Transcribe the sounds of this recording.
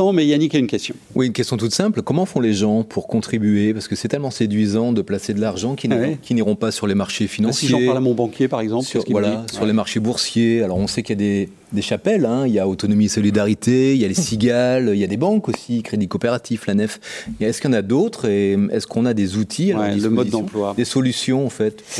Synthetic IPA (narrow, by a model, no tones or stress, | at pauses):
ɑ̃mɛjanikʲaynkʲɛst̪jɔ̃wʔiynkʲɛst̪jɔ̃t̪̬ut̪sɛ̃plkɔmɑ̃fɔ̃leʒɑ̃pʰuʁkɔ̃t̪χibyepaʁsə̥kəsɛt̪ɛlmɑ̃sed̪ɥizɑ̃d̪əplased̪əlaʁʒɑ̃kʲikʲiniʁɔ̃pasyʁlemaʁʃefinɑ̃sijʒ̃aʁlamɔ̃bɑ̃kʲjepaʁɛɡzɑ̃psyvwalasyʁlemaʁʃebuʁsjealɔʁɔ̃sɛkʲljad̪e | d̪eʃapɛlɛ̃iljaot̪ɔnɔmiesɔlid̪aʁit̪ʰeiljalesiɡʲaliljad̪ebɑ̃kosikχed̪ikɔpeʁat̪iflanɛfɛskjɑ̃nad̪ot̪χeɛ̰skʰɔ̃nad̪ezut̪ʰialɔləmɔdid̪ɑ̃plwad̪esɔlysjɔ̃ɑ̃fɛt̪